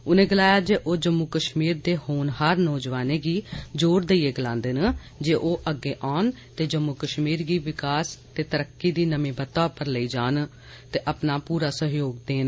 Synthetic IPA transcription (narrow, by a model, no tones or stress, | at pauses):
ʊnẽːɡəlaːjaːd͡ʒeːʔoːd͡ʒəmːuːkəʃmiːɾd̪eːhoːnhəɾnɔːd͡ʒʋaːneːɡiːd͡ʒoːɾd̪eiːeːɡəlãːnd̪eːn | d͡ʒeːʔoːʔəɡːeːʔaːn | t̪eːd͡ʒəmːukəʃmiːɾɡiːʋɪkaːst̪eːt̪əɾəkːiːd̪iːnəmĩːbət̪aːpːəɾləiːd͡ʒaːn | t̪eːʔəpnaːpuːɾaːsəɦjoːɡd̪eːn